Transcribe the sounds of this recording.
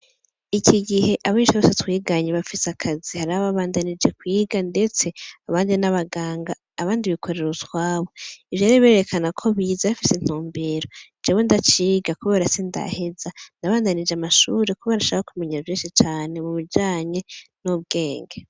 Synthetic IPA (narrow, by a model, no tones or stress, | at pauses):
icʰiɡihe̞ʔaβit͡ʃaβosetwiːɡaɲeβafisakʰazihaɾaβaβaːndanid͡ʒe̞kwiːɡande̞t͡se̞aβaːndinaβaɡaːŋɡaːβaːndiβikʰo̞ɾe̞ɾut͡swaːβo̞ivjaːɾiβe̞ːɾe̞kʰanakʰo̞βiːzafisen̥huːmbe̞ɾo | d͡ʒeːwe̞ndat͡ʃiːɡakuβeɾasinda̰he̞zandaβaːndanid͡ʒamaʃuɾekuβaɾaʃaaakume̞ɲavjeːnʃit͡ʃaːne̞muβid͡ʒaːɲe̞nuβ̚ɡe̞ːŋɡe